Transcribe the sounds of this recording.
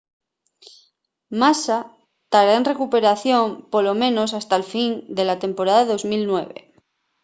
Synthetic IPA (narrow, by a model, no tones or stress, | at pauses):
masa | t̪aɾaenre̞kupe̞ɾaθjõ̞mpo̞lo̞mẽ̞no̞sast̪alfind̪e̞lat̪e̞mpo̞ɾaðaðo̞zmilnwe̞̰βḛ